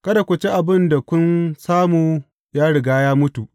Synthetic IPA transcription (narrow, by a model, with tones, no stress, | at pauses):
kɐ˦da˨kʷʊ˨t͡ʃe˦ʔa˨bɪ˦nda˨kʷʊ˦nsaː˦muː˨ | jaː˦ɽɪ˨ɡaː˦jaː˦mʊ˦tu˨ʔ